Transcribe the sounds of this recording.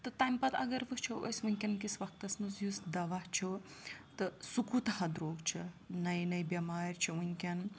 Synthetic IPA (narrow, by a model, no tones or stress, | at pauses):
t̪ɨt̪ɐjmpɐt̪ɐ̰ɡɐɾʋɨt͡ʃʰoʔo̰sʲʋunʲkʲɐnkisʋɐk̚t̪ɐsnusjusd̪ɐʋaht͡ʃʰot̪ɨsukut̪ɐhɐd̪ɾoːɡt͡ʃʰinɐjnɐjbʲjɐmaːɾʲt͡ʃʰiunʲkʲɐn